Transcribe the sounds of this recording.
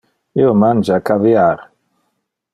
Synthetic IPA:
iomand͡ʒakaviaɾ

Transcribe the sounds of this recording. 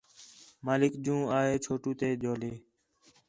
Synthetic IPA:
maːlɪkd͡ʒũːaːɦeːt͡ʃʰoːʈũːt̪eːd͡ʒoːleː

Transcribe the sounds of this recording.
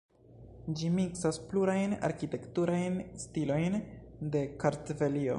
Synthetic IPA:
d͡ʒimiksaspluɾajna̰ɾkite̞ktuɾajnstilo̞jnde̞kaɾtve̞lio̞̰

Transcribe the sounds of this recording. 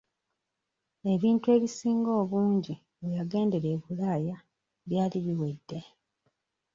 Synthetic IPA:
e̞βiːntwe̞ːβisiːŋɡo̞ːβuːɲɟi | βejaɡe̞ːnde̞ɾe̞ːβulaːja | βjaːliβiwe̞dːe̞

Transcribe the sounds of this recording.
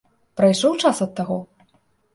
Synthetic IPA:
pɾajʂɔwt͡ʂasɐt̪ːaɣɔ

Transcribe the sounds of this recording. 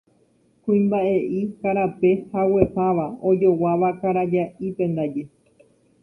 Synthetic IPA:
kũĩmbaʔe̞ʔikaɾape̞hawe̞paʋao̞d͡ʒo̞waʋakaɾad͡ʒaʔipẽ̞nd̪ad͡ʒe

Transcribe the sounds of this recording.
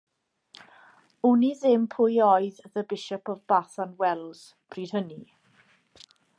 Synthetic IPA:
uniðɪmpʰʊjɔjððəbɪʃɔpɔvbaθanwɛlˠz̥ | b̥riːd̥həni

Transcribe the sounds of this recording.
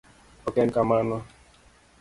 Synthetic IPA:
okeŋ̩kamanɔ

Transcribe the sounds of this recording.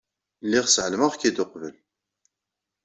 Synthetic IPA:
lːiʁsəʕəlməʁkid̪ʊqvəl

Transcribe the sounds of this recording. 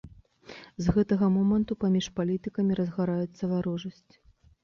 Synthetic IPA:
zɣɛt̪ɐɣɐmɔmɐnt̪upamʲiʂpalʲit̪ɨkɐmʲiɾɐzɣaɾajɛt̪sːɐvaɾɔʐɐsʲt͡sʲ

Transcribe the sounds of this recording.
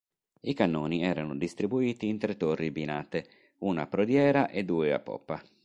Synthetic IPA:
ikanːoːniɛːɾanʊd̪ist̪ɾibuiːt̪iːnt̪ɾet̪ːorːibinat̪e | uːnapːɾod̪jɛːɾaʔed̪ːuːea̰pːɔ̰pːa

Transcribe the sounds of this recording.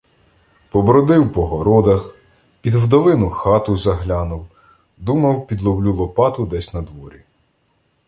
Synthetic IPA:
pɔbɾɔd̪ɪwpɔɦɔɾɔd̪ɐx | pʲid̪wd̪ɔʋɪnʊxɑt̪ʊzɐɦlʲɑnʊw | d̪umɐwpʲid̪lˠɔblʲulˠɔpɑt̪ʊd̪ɛsʲnɐd̪ʋɔɾʲi

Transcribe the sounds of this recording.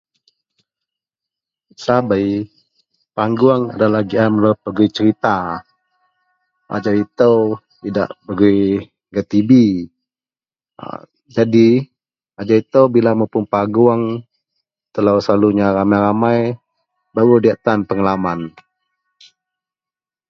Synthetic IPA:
sabaj | paŋɡuaŋa̰dalahɡiamələpːəɡuit͡ʃəɾit̪a | ʔa̰d͡ʒait̪əw | t̪ida̰ʔbəɡuj | ɡat̪ibi | d͡ʒadi | ad͡ʒawit̪əwbilamawpʊnpaɡuaŋ | t̪əlawsəlaluɲaɾamajɾamaj | baɾudiaʔt̪anpəŋalaman

